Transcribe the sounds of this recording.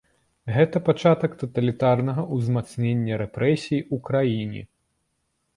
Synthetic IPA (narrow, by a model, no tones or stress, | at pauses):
ɣɛt̪ɐpat͡ʂat̪ɐkt̪ɐt̪ɐlʲit̪arnɐɣɐʔuzmat̪snʲenʲːɐɾɛpɾʔɛsʲijiukɾajinʲḭ